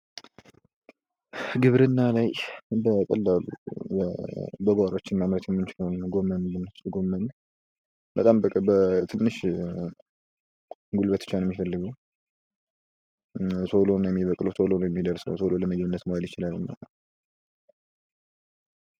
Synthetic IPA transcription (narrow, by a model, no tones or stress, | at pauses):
ɡɨβɾɨnːalajbək̪ʼəlːalṵbəbəɡaɾot͡ʃːɪnmamɾət̪jɛmːɨnt͡ʃɪləwnɡo̞mːənbɨnslɡo̞mːən | bət̪ʼambəkʼbət̪ʰɨnːɨʃ | ɡulbət̪ɨ̥t͡ʃanjɛmːifəlːɨɡəw | sʰo̞lonjɛmːiβəkʼlosʰolonojɛmːid̪əɾsnə̰wsʰololəməd͡ʒβɨnːət̪moaljɪt͡ʃɪlalːɨmːa̰lət̪